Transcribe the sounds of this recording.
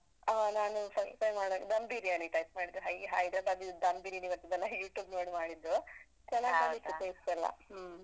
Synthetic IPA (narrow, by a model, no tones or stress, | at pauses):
aːnaːnupɐfɐjmaːɽɐɡd̪ɐmbiɾiɐniʈɐjsmaːɽid̪ːuɦɐːjiɦaːjid̪ɾɐbad̪id̪ɐmbiːɾiniʋɐɾt̪id̪ɐlːɐjuːʈjuːbnoːɽimaːɽid̪ːu | t͡ʃɐnːaːɡaɡikieisɐlːɐ̰h